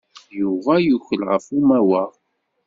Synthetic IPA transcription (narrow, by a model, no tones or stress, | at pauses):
juvæjuçəlʁəfumæwæ